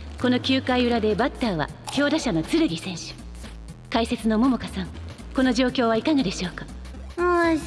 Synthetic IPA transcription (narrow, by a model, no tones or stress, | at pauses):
ko̞no̞kʲɨːkaiɯ̟ɾad̪e̞bat̪ːaːβa̰kʲo̞ːd̪aɕano̞t͡sɨɾɯɡʲisẽ̞ɰ̃ɕɨ̥ | kaise̞t͡sɨno̞mo̞mokasãŋ | ko̞no̞ʑo̞ːkʲo̞ːβaikaɡad̪e̞ɕo̞ːkḁ